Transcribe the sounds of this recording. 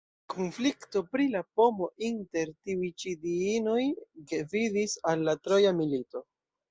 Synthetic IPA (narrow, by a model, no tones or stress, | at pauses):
kʰonflikto̞pɾilapo̞mo̞ʔinte̞ɾtiujt͡ʃidiino̞jɡevidisalːatɾo̞jamilito̞